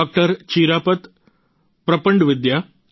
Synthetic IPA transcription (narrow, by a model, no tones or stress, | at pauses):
k̚ʈəɾt͡ɕiɾapət̪ | pɾəpəɳɖʋid̪ja